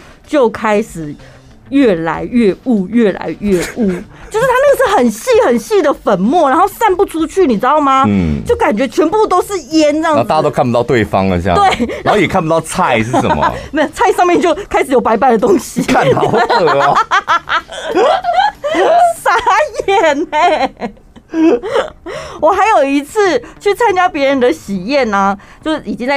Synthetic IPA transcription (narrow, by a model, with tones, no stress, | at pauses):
t͡ɕjo˥˩ʊkʰa˦˥ɪʂɻ̩˨˩ | jɥɛ˥˩la˧˦ɪɥɛ˥˧u˥˧jɥɛ˥˩la̰˧˦ɪɥɛ˥˧ʔu˥˩t͡ɕjo˥˧ʊʂɻ̩˥t̪ʰa˥ə˥˧ʂ̩˥˩xə˨˩nɕi˥˩xə˨˩nɕi˥˩d̪ə˩fə˨˩nmwɔ˥˩˨ɻa˧˥nxo˥˧ʊsa˥˧npu˥˧ʈ͡ʂʰu˥t͡ɕʰy˥˩ni˨˩t͡s̩̪˥ɑ˥˩ʊma˧˩t͡ɕjo˥˩ʊka˨˩nt͡ɕɥɛ˧˥t͡ɕʰɥɛ˧˥npu˥˧t̪o˥ʊʂɻ̩˥˩˨jɛ˥˦nɻŋ˥˧˩ta˥˩˧a˧˥t̪o˥˩pu˨˩t̪ɑ˥˧ʊt̪we˥˩ɪfɑ̰˦ŋə̰˧˥˧t̪we˥˩ɪa˨˦˥xo˥˩jɛ˨˩kʰa˥˩p̬u˧t̪ɑ˥˧ʊt͡sʰa˥˧ɪʂɻ̩˥˩ʂə̰˨˩m̰˨˩na˥˧t͡sʰa˥˧ɪʂɑ˥˧ŋmjnt͡ɕjo˥˩ʊkʰa˥ɪʂɻ̩˩jo˨˩pa˧˥ɪpa˨˩ɪdə˩t̪o˥ŋɕi˧kʰa˥˧nɑ˨˩ʊ˧ | sa˧˩˦jɛ˨˩ne˧ | wɔ˨˩xa˧˥ɪjo˨˩ʊi˧˥t͡s̩ʰ˥˧t͡ɕʰy˥˩t͡sʰa˧˥nt͡ɕja˥pjɛ˧˥ɻə˧˦nd̪ə˨˧ɕi˨˩jɛ˥˩na˩t͡ɕjo˥˧ʊʂ̩˥˩˨i˨˩t͡ɕi˥ŋt͡sa˥˩